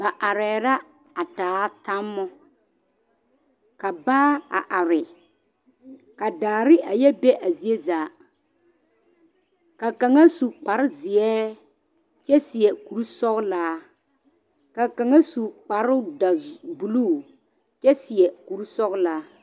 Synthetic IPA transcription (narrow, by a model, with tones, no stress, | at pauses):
ba˨ʔa˨ɾɛː˨ɾa˦ | a˨taː˨˦ta˦mːɔ˦ | ka˨baː˦a̰˨ʔa˨ɾɪ˨ | ka˨daː˨ɾɪ˦ʔa˨jɛ˦be˦ʔa˨zi˨e˦zaː˨ | ka˨ka˨ŋa˦su˨k͡pa˨ɾɪ˦zɪ˨ɛː˦ | t͡ʃɛ˦sɪ˨ɛ˨ku˨ɾu˦sɔ˦ɣlaː˦ | ka˨ka˨ŋa˦su˨k͡pa˨ɾʊ˦da˨bu˨lu˦˨ | t͡ʃɛ˦sɪ˨ɛ˨ku˨ɾu˦sɔ˦ɣlaː˦